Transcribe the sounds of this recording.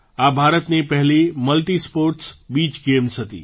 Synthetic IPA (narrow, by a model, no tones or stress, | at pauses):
abʱaɾət̪nepəɦliməlʈispoɾʈsbit͡ʃɡemsɦət̪ḭ